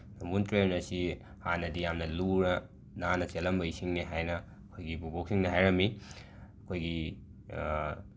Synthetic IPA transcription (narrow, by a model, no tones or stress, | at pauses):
nɐmuntɾenɐsi | hanɐdijamnɐluɾɐ | nanɐt͡ʃelɐmbɐisiŋniɦajnɐ | ɐkʰojɡibuboksiŋniɦajɾɐmːi | ɐkʰojɡi